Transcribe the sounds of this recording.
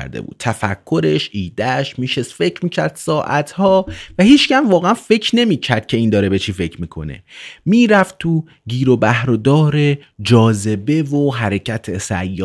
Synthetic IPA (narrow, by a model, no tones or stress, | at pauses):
ɾd̪ḛbṵːt̪̚t̪ʰæfæ̰kʰːo̞ɾe̞ʃʔiːd̪æʃmiːʃesfe̞cʰɾmiːcʰæɾd̪sɒːʔæt̪hɒːvæhiːt͡ʃcæmvɒːɣeænfe̞cʰne̞miːcʰæɾd̪̥̚cʰe̞iːnd̪ɒːɾebet͡ʃʰiːfe̞cʰmiːkʰo̞̰ne̞̰miːɾæft̪ʰu | ɟiːɾobæhɾod̪ɒːɾed͡ʒɒːze̞be̞voɦæɾecʰæt̪ʰesæ̰jːɔː